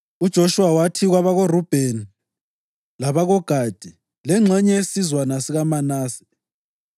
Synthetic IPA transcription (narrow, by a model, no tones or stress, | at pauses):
ud̥ʒ̥ʱoʃuwawatʰiɣwaβaɣorub̥ʱeni | laβaɣɔɡ̥ʱad̥ʱi | lɛŋ͡ǁʱɛɲɛesizwanasiɣamanaːsɛ̥